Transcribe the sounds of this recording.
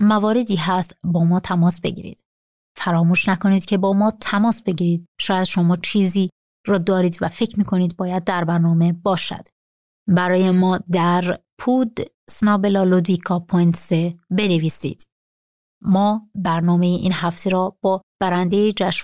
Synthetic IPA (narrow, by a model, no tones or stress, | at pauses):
mævɒːɾe̞d̪iːɦæst̪bɒːmɒːt̪ʰæmɒːsbe̞̰ɟḭːɾḭːd̪̥ | fæɾɒːmuːʃnækʰo̞niːd̪cʰe̞bɒːmɒːt̪ʰæmɒːsbe̞ɟiːɾiːd̪̥̚ʃɒːjæd̪ʃo̞mɒːt͡ʃʰiːziː | ɾɒːd̪ɒːɾiːd̪væfe̞cʰɾmiːkʰo̞niːd̪bɒːjæd̪̚ːæɾbæɾnɒːme̞bɒːʃæ̰d̪̥ | bæɾɒːjemɒːd̪æɾpʰuːd̪ | snɒːbelɒːlod̪vikʰɒːpʰont̪sebe̞neviːsḭːd̪̥ | mɒːbæɾnɒːme̞jeʔiːnhæft̪ʰe̞ɾɔːb̥ɒːb̥æɾænd̪ejed͡ʒæʃ